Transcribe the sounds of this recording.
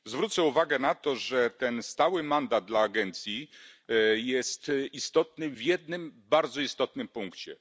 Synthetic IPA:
zvɾut̪sɛuvaɡɛnat̪ɔʐɛt̪ɛnst̪awɘmand̪ad̪̚d̪laːɡɛnt̪sʲji | jɛst̪ist̪ɔt̪̚nɘvʲjɛd̪̚nɘmbaɾd̪zɔist̪ɔt̪nɘmpuŋkt͡ɕɛ̰

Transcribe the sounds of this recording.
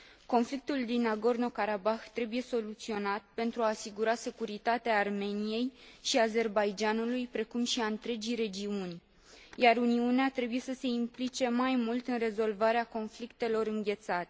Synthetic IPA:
ko̞nflik̚t̪uld̪inaɡo̞rno̞kaɾabaxt̪ɾe̞buje̞so̞lut̪sio̞nat̪̚pe̞nt̪ɾuaːsiɡuɾase̞kuɾit̪at̪eaːrme̞nije̞jʃiaze̞rbajd͡ʒanulujpɾe̞kumʃiaɨnt̪ɾe̞d͡ʒijɾe̞d͡ʒiunʲ | jaɾuniuneat̪ɾe̞buje̞səse̞implit͡ʃe̞majmult̪ɨnre̞zo̞lvaɾeako̞nflikt̪e̞lo̞ɾɨŋɡʲe̞t̪sat̪e

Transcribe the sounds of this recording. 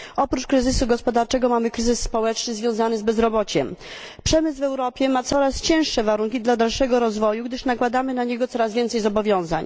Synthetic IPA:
ɔpɾut͡ʂkɾɘzɘsuɡɔspɔd̪aɾt͡ʂɛɡɔmamɘkɾɘzɘsːpɔwɛt͡ʂnɘzvʲjɔ̃w̃zanɘzbɛzɾɔbɔt͡ɕɛm | pʂɛmɘsvɛwɾɔpʲjɛmat̪sɔɾast͡ɕɛ̃w̃ʂːɛvaɾuŋkʲid̪lad̪alʂɛɡɔɾɔzvɔjuɡd̪ɘʂnakwad̪amɘnaɲɛɡɔt̪ɔɾazvʲjɛnt̪sɛjzɔbɔvʲjɔ̃w̃za̰ɲ

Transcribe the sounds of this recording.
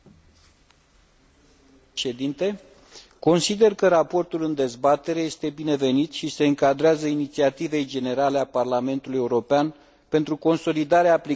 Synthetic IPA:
ʃed̪int̪e̞ | ko̞nsid̪e̞rkəɾapo̞rt̪ulɨnd̪e̞zbat̪e̞ɾe̞je̞st̪e̞bine̞ve̞nit̪ʃise̞ɨŋkad̪ɾeazəinit̪siat̪ive̞jd͡ʒe̞ne̞ɾale̞aparlame̞nt̪uluje̞uɾo̞pean | pe̞nt̪ɾuko̞nso̞lid̪aɾeaːpli

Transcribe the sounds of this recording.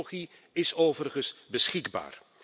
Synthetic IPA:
χi | ɪsoːvərχəsbəsχɪɡba̰ːr

